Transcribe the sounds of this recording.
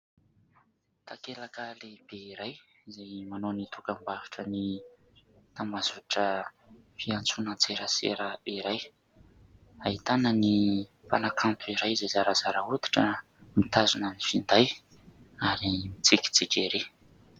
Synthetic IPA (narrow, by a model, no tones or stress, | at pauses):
t̪ʰakelakalebeiɾaj | zajmanonit̪ʰukambavuʈ͡ʂəni | t̪ambazuaʈ͡ʂə | fiant͡sunət͡seɾəsḛɾəiɾaj | aɦit̪anəni | fanakʰant̪uiɾajzazaɾazaɾaut̪i̥ʈ͡ʂə | mit̪azunənifind̪aj | aɾimit͡siki̥t͡sid͡ʒeɾe